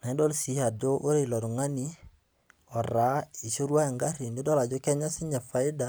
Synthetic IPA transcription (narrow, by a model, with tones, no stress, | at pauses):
nɛ˨˦dɔ˦lsi˨˦ha˨do˦ʔo˦ɾe˦˨lɔ˨ɾŋa˦ni˦ | ɔ˨ɾa˨i˨so˦ɾwa˦e˨ŋɡa˦ɾi˨ndi˦dɔ˦la˨d͡ʒo˦kɛ˦ɲa˦si˦ɲa˨fa˨i˦da˨